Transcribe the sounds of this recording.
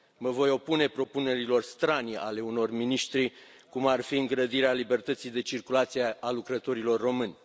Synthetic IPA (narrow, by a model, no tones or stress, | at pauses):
məvo̞jo̞pune̞pɾo̞pune̞ɾilo̞rst̪ɾanʲale̞uno̞rminiʃt̪ɾi | kumarfiɨŋɡɾəd̪iɾealibe̞rt̪ət̪sijd̪e̞t͡ʃirkulat̪sijealukɾət̪o̞ɾilo̞rːo̞mɨnʲ